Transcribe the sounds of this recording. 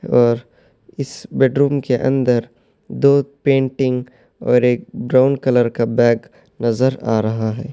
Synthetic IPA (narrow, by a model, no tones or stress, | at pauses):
ɔːɾ | ɪsbeːɖɾuːmkeʔɐ̰̃nd̪əɾ | d̪oːpẽːɳʈɪ̃ŋɡ | ɔːɾeːk̚bɾaːʊnkələɾkabɛːɡ | nɐzəɾaːɾɐɦaɦɛː